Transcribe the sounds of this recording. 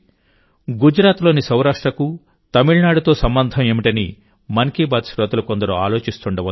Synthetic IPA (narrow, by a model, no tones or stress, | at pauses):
ɡud͡ʒɾaːt̪lo̞ːnisɐwɾaːʂʈɾɐku | t̪ɐmiɭnaːɽut̪o̞ːsɐmbɐnd̪ʱɐme̞ːmiʈɐni | mɐŋkiːbaːd̪sɾɐd̪uluko̞nd̪ɐɾua̰ːlo̞ːt͡ʃist̪uɳɖɐʋɐ